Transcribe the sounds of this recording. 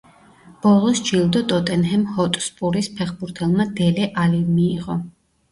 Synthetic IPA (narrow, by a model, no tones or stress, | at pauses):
b̥ɔlˠɔsd͡ʒilˠd̪ɔt̪ʼɔt̪ʼɛnɦɛmhɔt̪ʼspʼuɾispʰɛχbuɾt̪ʰɛlˠmad̪ɛlɛʔalimiːʁɔ